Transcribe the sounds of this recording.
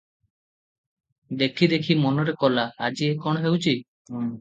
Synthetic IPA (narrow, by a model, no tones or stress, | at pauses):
d̪ekʰid̪ekʰimɔnɔɾekɔlaad͡ʒiekɔɽ̃ɔɦewt͡ʃʰi